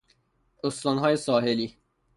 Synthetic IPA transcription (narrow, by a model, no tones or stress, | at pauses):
ost̪ɒːnɦɒːjesɒːɦeliː